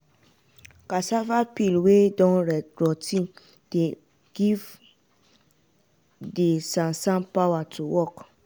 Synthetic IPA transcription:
kasavapilwedɔ̃nɾɛɡɹɔtĩ | d̥e | ɡ̥iv | desãnsãmpawatʰuwɔk

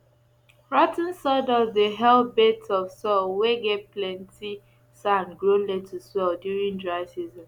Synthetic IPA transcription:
ɹɔtn̩sɔdɔdəɦɛlbetɔfsɔlweɡetplɛ̃nti | sãnɡɹoletʰuswɛldjuɹĩŋdɹaɪsizɔ̃n

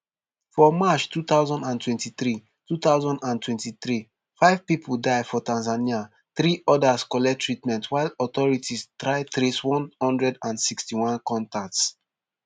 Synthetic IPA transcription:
fɔmat͡ʃtut̪aʊzɔ̃ndãntʰwɛ̃ntiθɹi | tut̪aʊzɔ̃ndãntwɛ̃ntiθɹi | faɪv̥pipʰuldaɪfɔtãnzania | θɹiʔɔdaskɔlɛtʰɹitmɛ̃ntwaɪlɔt̪ɔɹitistɹaɪtɹeswɔ̃nhɔ̃ndɹɛdãnsikstiwɔ̃nkɔ̃ntak̚ts

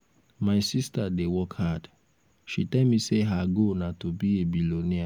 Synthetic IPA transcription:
maɪsistadewɔkhad | ʃitɛlmiseɦaɡonatobiebilonia

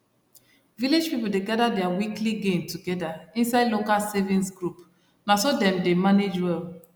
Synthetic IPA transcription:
viled͡ʒpipuldeɡadadɛawikliɡẽntʰuɡɛdaĩnsaɪdlokalsɛvĩnsɡɹup | nasodɛ̃mdemaned͡ʒwɛl

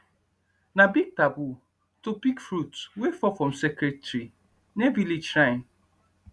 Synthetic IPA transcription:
nabiɡ̚tabu | topikfɾutwefɔfɾɔ̃msɛkɾetɾi | nevilid͡ʒɾãɪ̃n

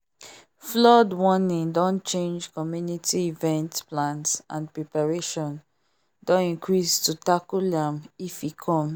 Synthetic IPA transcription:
flɔdwɔnĩŋdɔ̃nt͡ʃẽnd͡ʒkɔmjunitiivɛ̃ntplãnsã̰npɹɛpaɹeʃɔ̃n | dɔ̃nĩŋkʰɹistutakulãmifikʰɔ̃m

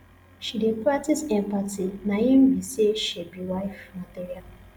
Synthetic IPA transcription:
ʃidepɹak̚tisɛ̃mpatinahĩmbiseʃebiwaɪfmatiɹial

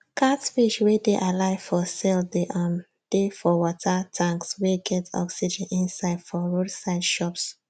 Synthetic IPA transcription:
kʰatfiʃwedeʔalaɪfɔsɛldeʔãn | d̥efɔwɔtʰatʰãŋksweɡɛtʰɔ̰ksid͡ʒɛ̃nĩnsaɪd̥fɔɹodsaɪdʃɔps

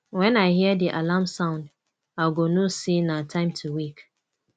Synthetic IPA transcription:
wɛ̃naɪɦiədiʔalamsãʊ̃nd | aɡonosinatʰãɪ̃mtʰuwik

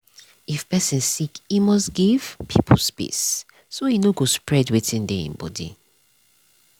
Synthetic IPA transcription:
ifpɛsĩnsikimɔsɡiv̥pʰipʰolspḭsː | ojinoɡospɹɛdwitʰĩndeḭ̃nbɔ̰dḭ

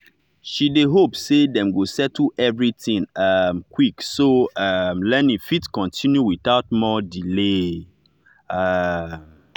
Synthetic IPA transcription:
ʃideɦopsedɛ̃mɡosɛtl̩ɛvɹitĩŋamkʰwiksoamlɛnĩfitkɔ̃ntʰĩnjuwiθaʊt̚mɔdile | am

